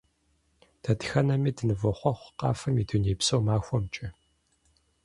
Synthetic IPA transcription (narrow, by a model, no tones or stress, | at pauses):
d̥ʰɐtxɐnɐmiːdɨnɨvɔχʷɔχʷqɑ̰ːfɐmiːduneːpsɐwmaːxʷɔmt͡ʃʼɪ